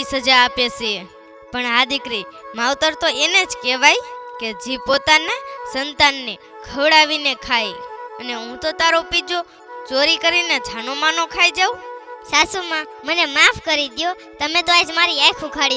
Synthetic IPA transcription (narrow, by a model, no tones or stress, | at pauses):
isɦəd͡ʒaːpese | pəɳɦad̪ɪkɾimaʋt̪əɾt̪oened͡ʒkeʋajked͡ʒipot̪anasənt̪anːe | kʰəʋɽaʋinekʰajəneɦũt̪ot̪aɾopid͡ʒo | t͡ʃoɾikəɾined͡ʒʱanomanokʰajd͡ʒaũsasumã | mənemafʰkəɾid̪jo | t̪əmẽt̪oaed͡ʒmaɾiajkʰũkʰaɽi